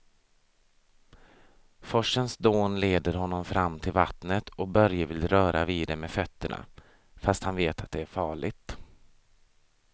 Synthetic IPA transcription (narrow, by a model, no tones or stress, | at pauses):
fɔʂːənsd̪oːnleːd̪əɾɦɔnːɔmfɾamːt̪ʰɪlva̰t̪nət̪ʰɔk̚bœɾjəvɪlɾœːɾʔaviːd̪ɛmɛfœt̪ːəɳa̰ | fast̪hanveːt̪ʰat̪̚d̪ɛæɾfɑːɭɪ̰t̪